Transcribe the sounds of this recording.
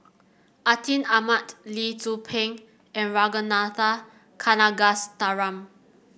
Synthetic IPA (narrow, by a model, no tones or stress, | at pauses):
ʔatʰĩnamatlitupʰɛ̃ŋ | ɛ̃nɹaɡənata | kʰanaɡastaɹãm